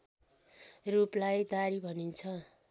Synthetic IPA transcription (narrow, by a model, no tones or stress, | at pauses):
ruplajd̪aɾibʱʌnint͡sʰʌ